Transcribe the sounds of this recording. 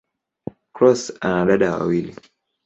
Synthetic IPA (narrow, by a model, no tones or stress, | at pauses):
kɾɔsanaɗaɗawa̰wili